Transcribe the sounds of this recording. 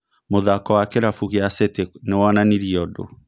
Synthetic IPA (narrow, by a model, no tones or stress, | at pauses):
moðakɔwakɛɾafuɣeaseteknewananiɾiɔdo̰